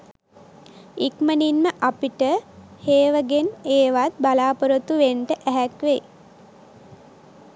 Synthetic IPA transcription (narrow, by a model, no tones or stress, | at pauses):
ikməninməʔapiʈəheːʋəɡeneːʋat̪̚balaːpəɾət̪uʋeɳʈəʔæɦækʋej